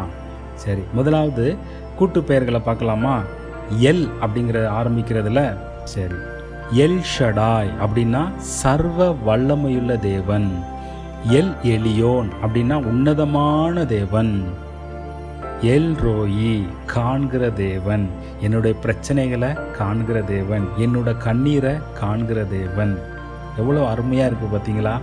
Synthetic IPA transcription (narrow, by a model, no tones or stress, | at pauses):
sɐɾimʊðɐlaːʋɐðɯ | kuːʈːɯpːejɐɾɣɐɭɐpaːɾkɐlaːmaː | ɛlɐpːɐɽɪŋɡɪɾɐðaːɾɐmbɪkʲːɪɾɐðɪlɐ | sɐɾi | ɛlʂɐɽaːjɐpːɐɽɪnːaː | sɐɾʋɐʋɐɭːɐmɐjʊɭːɐd̪eːʋɐn | ɛlɛɭɪjoːnɐpːɐɽɪnːaːʊnːɐðɐmaːnɐd̪eːʋɐn | ɛlɾoːji | kʰaːɳɡɪɾɐd̪eːʋɐn | ɛnːɯɽɐjɐpɪɾɐt͡ʃːɐnɐɪɣɐɭɐkaːɳɡɪɾɐd̪eːʋɐnɛnːɯɽɐkɐɳːiːɾɐkaːɳɡɪɾɐd̪eːʋɐn | ɛʋːɐɭoʋɐɾɯmɐjaːɪɾɯkːɯpaːɾt̪iːŋɡɐlaː